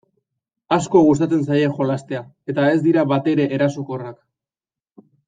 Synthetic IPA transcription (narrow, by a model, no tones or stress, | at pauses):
asko̞ɣust̪at͡se̞nsaje̞xo̞last̪e̞a | e̞t̪ae̞zd̪iɾaβat̪e̞ɾe̞ʔeɾasoko̞rak